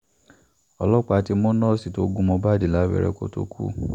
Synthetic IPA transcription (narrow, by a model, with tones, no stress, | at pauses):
ɔ˨lɔ˦k͡pa˨˦ti˦mõ˦nɔ̃˦si˨to˦ɡũ˦mɔ̃˧ba˦di˨la˨˦bɛ̰˦˨ɾɛ̰˦ko̰˦to̰˦kʷʰṵ˦